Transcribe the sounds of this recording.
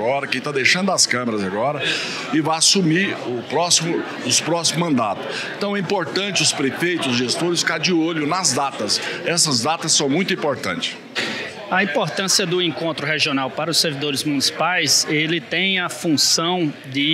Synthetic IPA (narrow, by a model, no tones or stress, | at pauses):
ɔɾɐkẽj̃t̪ad̪ejʃɐ̃nd̪ʊɐskɐ̃meɾɐzaɡɔɾɐ | ɪvajasumiɾʊpɾɔsimʊ | ʊspɾɔsimʊmɐ̃nd̪at̪ʊ̥ | ẽnt̪ɐ̃w̃ɛĩpoɾt̪ɐ̃nt͡ʃɪʊspɾefejt̪ʊzʒest̪oɾɪsfi̥kaɾd͡ʒɪoʎʊnɐzd̪at̪ɐsɛsɐzd̪at̪ɐsːɐ̃w̃mũj̃t̪ʊĩpoɾt̪ɐ̰̃t͡ʃɪ̥s | ɐĩpoɾt̪ɐ̃siɐd̪ʊẽkõnt̪ɾʊɦeʒionawpaɾɐʊseɾvid̪oɾɪzmunisi̥pajselɪt̪ẽj̃ɐfũsɐ̃w̃ | d͡ʒ̪ɪ